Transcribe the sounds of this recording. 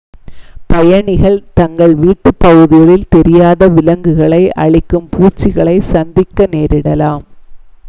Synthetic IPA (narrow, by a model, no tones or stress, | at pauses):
pɐjɐɳɪɣɐɭt̪ɐŋɡɐɭʋiːʈːɯpːɐɣɯðɪɣɐɭɪlt̪ɛɾɪjaːðɐʋɪlɐŋɡɯɣɐɭɐɪʔɐ̰ɻɪkːɯmpʰuːt͡ʃːɪɣɐɭɐɪsɐnd̪ɪkːɐneːɾɪɽɐlaːm